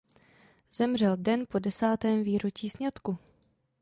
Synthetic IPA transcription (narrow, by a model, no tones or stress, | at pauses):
z̥ɛmr̝ɛldɛnpo̞dɛsaːt̪ɛːmviːɾot͡ʃiːsɲat̪ku